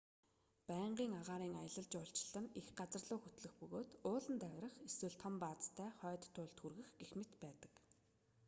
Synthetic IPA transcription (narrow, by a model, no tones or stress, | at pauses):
pæːɴɢiːŋaʁaːɾiːŋajə̆ɮə̆ɮt͡ɕʊɬt͡ɕɪ̥̆ɮə̆nexɢat͡sə̆rɮʊːxɵt̪ɮɵ̆xpɵɣoːt̪ʊːɮə̆nt̪æɣʲrə̆χeswɘ̆ɮt̪ʰɔ̆mpaːt͡st̪ʰːæːχœːt̪ʰːʊːɮt̪xurɣɘ̆xɡexmɘ̆t̪pæːt̪ə̥̆k